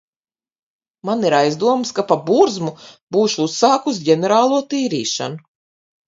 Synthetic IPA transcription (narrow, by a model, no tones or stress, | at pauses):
maniɾajzd̪uɔmskapabuɾzmub̥uːʃuusːaːkusɟʲeneɾaːlˠuɔt̪iːɾiːʃa̰nu